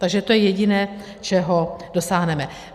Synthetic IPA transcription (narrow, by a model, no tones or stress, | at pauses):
t̪aɡʒɛt̪o̞jɛjɛɟɪnɛː | t͡ʃɛɦodosaːɦnɛmɛ